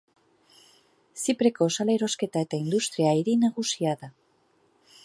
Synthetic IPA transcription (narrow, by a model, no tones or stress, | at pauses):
sipɾeko̞ːsaleɾo̞ske̞t̪aet̪aind̪ust̪ɾiaiɾinaɣusiaða